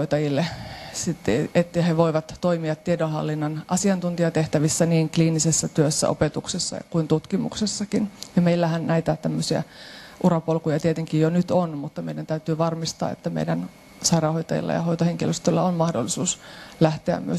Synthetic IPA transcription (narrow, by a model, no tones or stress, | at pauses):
oit̪ɑjilːesit̪ːeet̪ːjheʋoiʋɑt̪toimiɑt̪tːiedonhɑ̰lːinːɑnʔɑsiɑnt̪unt̪iɑt̪eht̪æʋisːæniːŋkliːnisesːæt̪yøsːæ̰ʔo̰pet̪uksesːɑ̰kuint̪ut̪kimṵksesːɑkinjɑmeilːæhænnæit̪æt̪æmːøsiæ̰ʔurɑpolkujɑt̪iet̪eŋkijjonyt̪onmut̪ːɑmeidænt̪æyt̪yːʋɑrmist̪ɑ̰ːḛt̪ːæmḛidæn | sɑirɑhoit̪ɑjḭlːɑ̰jɑ̰hoit̪oheŋkiløst̪ølːæonmɑhdo̰lːisuːslæht̪eæ̰mmy̰ø